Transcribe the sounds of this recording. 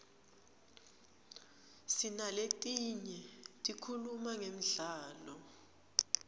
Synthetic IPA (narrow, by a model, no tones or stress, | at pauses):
sinaletʼiɲɛtʼikʰulumaŋem̩ɮaːlɔ